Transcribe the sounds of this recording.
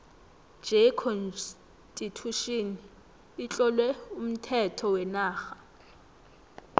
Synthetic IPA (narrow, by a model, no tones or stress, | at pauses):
d͡ʒekʰɔn | tʼitʰuʃin | it͡ɬʼɔlwɛum̩tʰɛtʰɔwɛnaːxa